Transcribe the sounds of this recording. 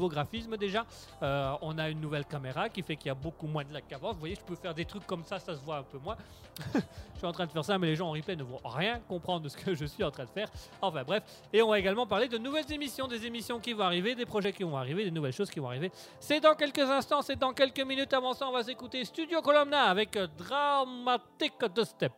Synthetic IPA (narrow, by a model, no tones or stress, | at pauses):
voɡʁafisməd̪eʒa | øɔ̃naynːuvɛlkameʁakʲifɛkiljabokumwɛ̃d̪əlakːavɑ̃svwajeʒə̥pøfɛʁd̪et̪χykːɔmsasasəvwaɛ̃pømwɛ̃ | ʃɥiɑ̃t̪χɛ̃d̪əfɛʁsamɛleʒɑ̃ːʁiplɛnəvɔ̃ʁjɛ̃kɔ̃pχɑ̃d̪ʁəsə̥kʰəʒəsɥiɑ̃t̪χɛ̃d̪əfɛːʁ | ɑ̃fɛ̃bʁɛf | eɔ̃vaeɡalmɑ̃paʁled̪ənuvɛlzemisjɔ̃d̪ezemisjɔ̃kʲivɔ̃aʁived̪epχɔʒɛkʲivɔ̃aʁived̪enuvɛlʃoz̥kʲivɔ̃aʁive | sɛd̪ɑ̃kʲɛlkəzɛ̃st̪ɑ̃sɛd̪ɑ̃kʲɛlkəminyt̪avɑ̃sãɔ̃vas̬ekut̪est̪yd̪jokɔlɔmnaːvɛkd̪ʁamat̪ikd̪əst̪ɛp̚